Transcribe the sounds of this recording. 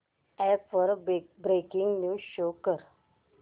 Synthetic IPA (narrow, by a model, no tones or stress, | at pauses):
ɛfəɾbɾekiŋɡnuɕokəɾ